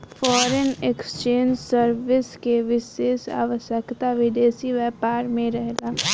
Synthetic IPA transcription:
fɔːɾənekst͡ʃeːnd͡ʒsəɾʋɪskeʋɪseːsa̰ːʋəʃjəkt̪aʋɪd̪eːsiʋɛːpaːɾmẽɾɛɦlaː

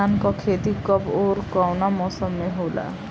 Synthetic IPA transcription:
ankɔkʰet̪ikʌboɾkawnamɔsʌmːeɦola̰

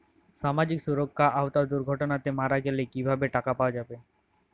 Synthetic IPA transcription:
ʃamad͡ʑiksuɾokʰːaʔaot̪aod̪uɾɡʱɔʈonat̪emaɾaɡelekibʱabeʈakapaoad͡ʑabe

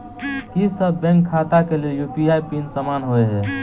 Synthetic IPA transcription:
kisəbbɛ̃ŋkʰːat̪akeleljupiajpinsəmanɦoeɦɛ

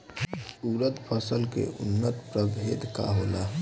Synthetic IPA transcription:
suːɾət̪pʰəsəlkḛʔʊ̰nːət̪pɾəbʱeːd̪ka̰ɦoːla

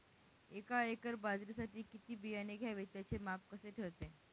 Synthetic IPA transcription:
ekaekəɾbad͡zɾisaʈiːkit̪iːbijaneɡʱjaʋet̪jat͡semapkəseʈʰeɾt̪e

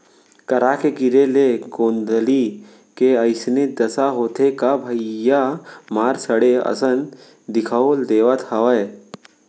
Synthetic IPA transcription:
kəɾakeɡɪɾeleɡõːnd̪əli | keəɪsned̪ɐsaɦoːt̪ʰekabʱəɪjamaːɾsəɽeɐ̰sən | d̪ɪkʰəold̪eːʋət̪hɐʋə

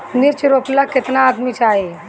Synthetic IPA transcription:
niɾt͡ʃɾoplaket̪naːd̪mit͡ʃaɦi

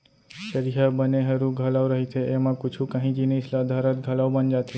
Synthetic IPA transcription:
ʃəɾijabəneɦəɾũɡʱəlawɾəɦit̪ʰeːmãkut͡ʃʰũkə̃ɦĩd͡ʒineslad̪ʱaɾət̪̚ɡʱəlawbənd͡ʒat̪ʰe

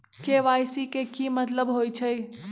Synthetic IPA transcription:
keʋajsikekimət̪ləbɦojt͡ʃʰəj

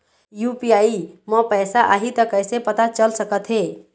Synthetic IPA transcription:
jupiaːimɔpəːsaʔa̰ːɦit̪əkəɪsepət̪at͡ʃəlsəkət̪ɦe

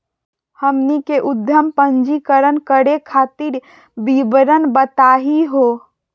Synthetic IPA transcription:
həmnikeʔʊd̪ʱjəmpə̃ɲd͡ʒikəɾənkəɽekʰaːt̪iɾ | bibɾənbət̪aːɦiɦoː

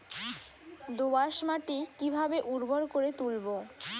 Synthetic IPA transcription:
d̪obaʃmaʈikibʱabeʔuɖbʱoɾkoɾet̪ulbo

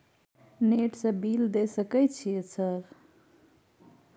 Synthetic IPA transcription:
neʈsə̃bild̪esəkɛt͡ʃʰijesəɾ

